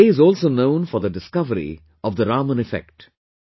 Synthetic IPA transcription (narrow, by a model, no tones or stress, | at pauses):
eɪzɔːlsoːnõʊ̃nfɔɾd̪əɖɪskʌʋəɾḭ | ɔʋd̪əɾaːmə̃nɪfɛ̰k̚ʈ